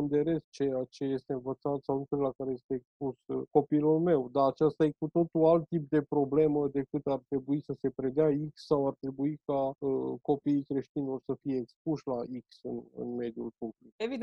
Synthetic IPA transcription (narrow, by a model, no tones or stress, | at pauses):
ɨnd̪eɾe̞st͡ʃe̞jat͡ʃe̞je̞st̪e̞ɨnvət̪sat̪sawnut̪sullakaɾeje̞st̪e̞ːkspusko̞pilulme̞wd̪aːt͡ʃast̪ajekut̪o̞t̪ualt̪ːip̚d̪e̞pɾo̞ble̞məd̪e̞kɨt̪art̪ɾe̞buisəse̞pɾe̞d̪eaiksːawart̪ɾe̞buikaəko̞piːikɾe̞ʃt̪inlo̞rsəfije̞ːkspuʃlaiksɨnɨ̰nme̞d̪julpuplikevi